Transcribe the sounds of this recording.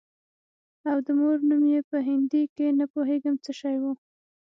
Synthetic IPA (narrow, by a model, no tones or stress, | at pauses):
awd̪əmoɾnumjepəɦɪnd̪ikenapoɦeɡəmt͡səʃɑjwu